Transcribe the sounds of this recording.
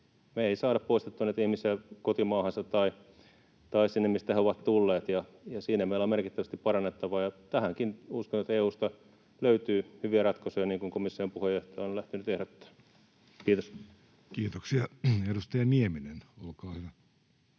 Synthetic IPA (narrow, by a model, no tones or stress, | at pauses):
meeisɑːdɑppoist̪et̪ːunet̪ihmisekot̪imɑːhɑnsɑt̪t̪ɑi | t̪ɑisinːemist̪æheoʋɑt̪t̪ulːeːt̪jɑ | jɑsiːnæmeilːɑmerkit̪ːæʋæst̪ippɑrɑnːet̪ːɑʋɑːjɑt̪æhæŋkinuskonet̪eːuːst̪ɑ | løyt̪yːhyʋiærɑt̪koseːniːŋkuŋkomisːiompuhejoht̪ɑjɑonlæht̪ynyt̪ehɾot̪ːæ̥ː | kiːt̪os | kiːt̪oksiɑedust̪ɑjɑnieminenolkɑːhyʋæ